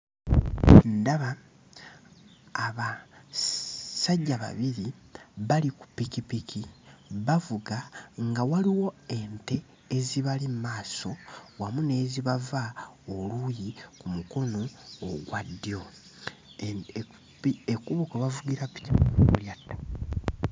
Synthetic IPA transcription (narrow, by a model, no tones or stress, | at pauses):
ndaβa | βa | saɟːaβa̰βiɾiβaliku̥pːikipikʰiβavuɡaŋɡawaliwo̞e̞nte̞ː | ziβalimmaːso̞wamune̞ːziβavaolujikumuko̞no̞ːɡwadːijo̞ | iekuβokoβavuɡiɾapi̥ciuljatːḁ